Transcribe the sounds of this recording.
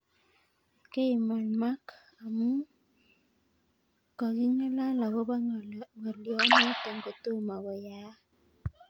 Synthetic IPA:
ke˦i˨ma˨lma˦k | a˨mu˦ | kɔ˨ɣi˦ŋa˦la˦la˨βɔ˦ba˦ŋɔ˨ljɔ˦na˦tɔ˨ŋɡo˨to˦ma˨βɔ˨ja˨˦

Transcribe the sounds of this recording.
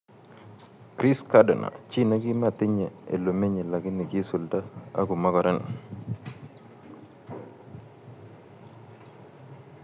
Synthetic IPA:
kɾi˦skadɛ˨na̰˨t͡ʃi˦na˦ɡi˦ma˦˨tɪ˦ɲɛ˨ḛ˨lo˨me˦ɲe˨la˨ɡɪ˦ni˨ki˦su˨lda˦a̰˦ɡu˨ma˦kɔ˨ɾɛ˦n

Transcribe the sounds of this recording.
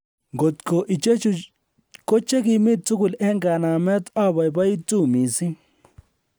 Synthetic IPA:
ŋɡo˨tko˨ʔi˨t͡ʃe˦ | ko˦t͡ʃe˦ki˨mɪ˦t̚tʊ˦kʊ˨lɛ˦ŋɡa˨na˨mɛ˦ta˦bɔ˨jba˦i˦tu˦˨mi˨si˦

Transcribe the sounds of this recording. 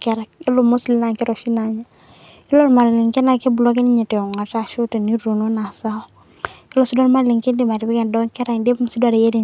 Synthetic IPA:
kɛ˦ɾɛ˨k̚ɪ˦lomu˦sli˦na˨ŋki˦ɾɔ˨ʃi˦na˨ɲa˦ | i˦lɔ˦lma˨lli˨ŋkɛ˦na˨ke˦bu˨lɔ˦kɛ˦ni˦ɲɛ˨tɛ˨ɔ˨ŋa˨ta˦ʃu˦ti˨ni˦ɾu˨no˦na˨sa˦ɔ˦ | ɪ˦lɔ˦sdɔ˦lma˦li˨ŋki˦ndi˨ma˨di˨bi˦kɛ˨ndɔ˦ŋkɛ˦ɾa˨ŋde˦pmsi˦da˨ɾe˨je˦di˨

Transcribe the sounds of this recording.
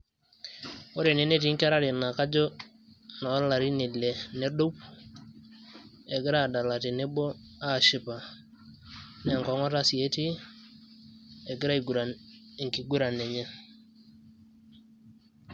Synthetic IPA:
o˦ɾe˨ne˨˦ne˦t̬i˨˦ŋka˦ɾa˦ɾi˨na˨ka˦d͡ʒɔ˦ | na˨ɔ˦la˨ɾi˦ne˨le˨ne˦do˦p̚ | e˨ɡɪ˦ɾa˦˨da˨la˨ti˨ne˦bɔ˦ | a˦˨ʃɪ˦pa˨ | nɛ˦˨ŋkɔ˨˦ŋɔ˦ta˦si˨e˦ti˦ | ɛ˨ɡɪ˦ɾa˦˨ɡɾa˨ŋki˨ɡu˦ɾa˨nɛ˨ɲɛ˦

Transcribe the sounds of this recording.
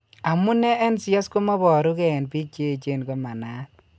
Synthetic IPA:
a˨mu˦nɛ˦e˦nsjɔ˦sko˦mɔ˦bɔ˨ɾu˦kɛ˨npi˦t͡ʃe˦˨t͡ʃe˦˨nko˦ma˨na˦n

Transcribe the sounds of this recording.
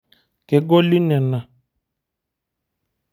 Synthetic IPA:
ke˨ɡɔ˦li˦nɛ˨na˨

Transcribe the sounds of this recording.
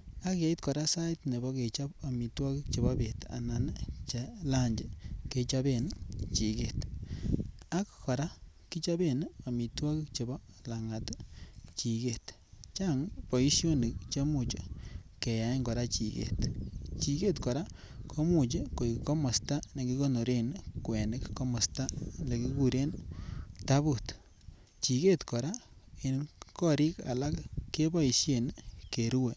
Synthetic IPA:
a˦kja˦i˦t̪kɔ˨ɾa˦sa˦jt̪ne˨bɔ˦ke˨t͡ʃa˦pa˨mi˨twa˦ki˦k̚t͡ʃe˨ba˦be˨t̪a̰˨na˨n˦t͡ʃe˧la˦ɲd͡ʒe˨ke˧t͡ʃa˦be˦nt͡ʃi˨ke˨t̪ | a˦kːɔ˨ɾa˦ | ki˦t͡ʃa˦be˦˨n˦a˨mi˨twa˦ki˦k̚t͡ʃe˨bɔ˦ | la˨ŋa˨tt͡ʃi˨ke˦t̪ | t͡ʃaŋpo˨i˦sjo˦ni˨kt͡ʃe˦mu˦t͡ʃo˨ke˨ja˨˦ŋɡɔ˨ɾa˦t͡ʃi˨kḛ˨t̪t͡ʃi˨ke˦t̪kɔ˨ɾa˦ | kʰo˦mu˨t͡ʃi˦ko˨ikko˦mo˨sta˦ne˨ki˧ko˦no˨ɾe˦nkwe˨nɪ˦kko˦mɔ˨sta˦ne˨ki˦ku˧ɾe˦nta˦bu˨t̪ | t͡ʃi˨ke˦t̪kɔ˨ɾa˦e˨nkɔ˦ɾi˦ka̰˨la˦kkːe˦ba˦i˨ʃje˨nke˨ɾu˦we˨

